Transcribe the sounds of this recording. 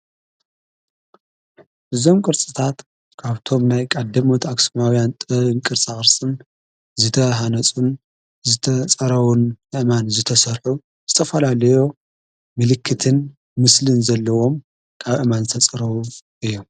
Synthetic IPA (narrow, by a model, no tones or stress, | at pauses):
ʔɨzo̞mkʼɨɾt͡sʼɨt̪ʰat̪ | kʰaβt̪ʰo̞mnajkʼad̪ːɐmot̪ʰaksomawjant̪ʼɨɨnkʼɨɾt͡sʼaxʼɨɾsʼɨn | zɨt̪ʰɐɦanɐt͡sʼun | zɨt̪ʰɐt͡sʼɐɾɐwunʔɨʔmanzɨt̪ʰɐsɐɾħu | z̥ɨt̪ʰɐfɐlalɐjo̞ | mɨlɨkʰːɨt̪ʰɨn | mɨslɨnzɐlːɐwo̞m | kʰaβɨʔmanzɨt̪ʰɐt͡sʼɐɾɐwuʔɨjːum